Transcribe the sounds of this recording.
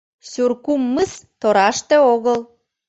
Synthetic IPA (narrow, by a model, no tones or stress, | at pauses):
surkumːəst̪oɾɑʃt̪eoɣəl